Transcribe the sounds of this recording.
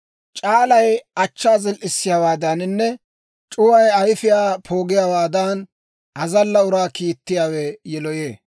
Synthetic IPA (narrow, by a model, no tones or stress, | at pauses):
t͡ʃʼaːlɐjɐt͡ʃːaːzɪlʔɪsːɪjaːwaːd̪ɐnnːɛ | t͡ʃʼʊwɐjɐjfɪjaːpʰo̞ːɡɪjaːwaːd̪an | ʔɐzɐlːɐʊɾaːkiːt̪ːɪjaːwɛjɛlɔjeː